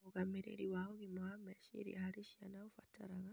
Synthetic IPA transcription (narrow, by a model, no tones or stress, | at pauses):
oɣamiɾḛɾiwahoɣimuhameʃḭɾḭhaɾiʃianaufataɾaɣa